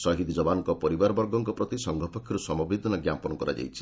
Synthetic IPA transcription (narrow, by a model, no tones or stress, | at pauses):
sɔɦid̪d͡ʒɔbanɔŋkɔpɔɾibaɾɔbɔɾɡɔŋkɔpɾɔt̪isɔŋɡʱɔpɔkʰjɔɾusɔmɔbid̪ʱɔnɔɡjampɔnɔkɔɾa̰d͡ʒa̰jt͡ʃʰi̥